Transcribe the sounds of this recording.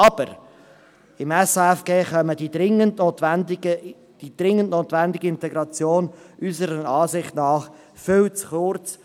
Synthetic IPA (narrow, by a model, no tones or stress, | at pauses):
ɑb̥əɾ | ɪmɛsɛfɡ̥eːχœmədidɪŋəntot̪ʋɛndɪɡə | d̥id̥̪ɾɪŋːəntnoːt̪vænd̪ɪɡəɪnt̪ɛɡɾɑt͡sjoːnʔyzəɾənɑːzɪχtnɑːχ | fʏwt͡sχʊrt͡s